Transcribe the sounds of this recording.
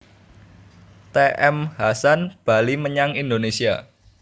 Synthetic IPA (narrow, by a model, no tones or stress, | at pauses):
t̪eʔɛmhasanb̥a̤liməɲaŋind̪onesia